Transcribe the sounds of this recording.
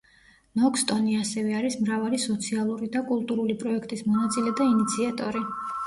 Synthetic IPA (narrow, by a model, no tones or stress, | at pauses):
nɔkʰst̪ʼɔniasɛvɛaɾismɾavalisɔt̪sʰialˠuɾid̪akʼulˠt̪ʼuɾulipʼɾɔɛkʰt̪ʼismɔnat̪sʼilɛd̪ainit̪sʰiat̪ʼɔɾi